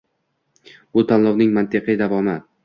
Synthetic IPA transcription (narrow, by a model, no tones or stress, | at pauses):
bʊt̪ʰanlˠɒwnɪŋmant̪ɪqʰɪjd̪avɒmɪ